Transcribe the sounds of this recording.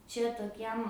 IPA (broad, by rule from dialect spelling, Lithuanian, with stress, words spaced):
t͡ʃʲɛ toːˈkʲiɛm